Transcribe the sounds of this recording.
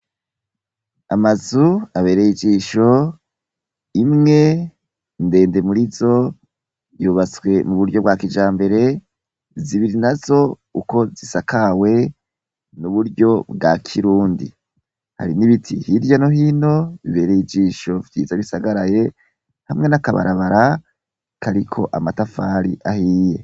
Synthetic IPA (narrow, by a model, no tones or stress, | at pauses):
a̰mazuaβe̞ːɾejid͡ʒiːʃo̞ | imŋe̞ | nde̞ːnde̞muɾizo̞ | juβat͡swe̞muβuɾɟo̞bɡakid͡ʒaːmbe̞ɾe̞ | ziβiɾinazo̞ | uko̞zisakʰawe̞ | nuβuɾjo̞bɡakʰiɾuːndḭ | ha̰ɾiniβitʰihiɾjanoɦiːno̞βiβe̞ɾejid͡ʒiːʃo̞vjiːzaβisaɡaɾaje̞ | hamŋe̞nakaβa̰ɾaβaɾa | kaɾikʰo̞̰ʔamatafaːɾiʔahije̞